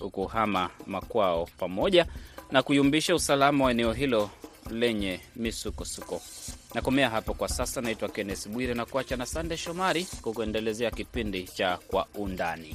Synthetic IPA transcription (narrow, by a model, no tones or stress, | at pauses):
ukuhamamakwaɔpamɔʄanakuiumbiʃausalamawaɛnɛɔɦilɔ | lɛɲɛmisukɔsukɔnakɔmɛaɦapɔkwasasanaitwakɛnɛsɓwiɾinakuwat͡ʃanasandɛʃɔmaɾikukuɛndɛlɛzɛakipindit͡ʃakwa̰undani